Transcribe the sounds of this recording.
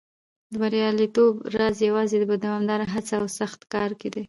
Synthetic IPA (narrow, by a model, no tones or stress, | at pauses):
d̪əbaɾjɑlit̪obɾɑzjawɑzed̪əbad̪awɑmd̪ɑɾaɦat͡saawsaxt̪kɑɾked̪e